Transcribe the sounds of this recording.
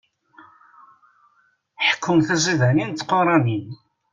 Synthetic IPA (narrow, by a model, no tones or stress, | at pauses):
ħə̥kʰːʊmθæz̬iðænint̪ːqoɾˤɑnin